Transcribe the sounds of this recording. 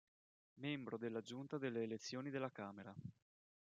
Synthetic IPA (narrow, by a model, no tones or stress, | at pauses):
membɾod̪elːad͡ʒunt̪ad̪elːeːlet̪sːjoːnid̪elːakaːmeɾa